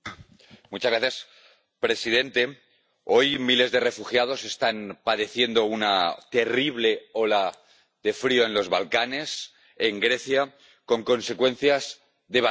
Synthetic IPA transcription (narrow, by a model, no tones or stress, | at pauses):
mut͡ʃazɣɾaθjas | pɾe̞sið̞e̞nt̪e̞ | o̞jmile̞zðe̞re̞fuxjað̞o̞se̞st̪anpaðe̞θje̞nd̪o̞unat̪e̞riβ̞le̞o̞la | ðe̞fɾio̞enlo̞zβalkane̞s | e̞ŋɡɾe̞θja | ko̞ŋko̞nse̞kwe̞n̟θjaz | ðe̞β